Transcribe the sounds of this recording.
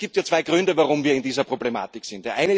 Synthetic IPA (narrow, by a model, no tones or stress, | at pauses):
ɡ̥iːp̚tjaːt͡sv̥aɪɡʁʏndəvaʁʊmviːɐɪndiːzɐpʁ̥oblema̰ːtɪksɪnt̚d̥eːɐʔaɪnə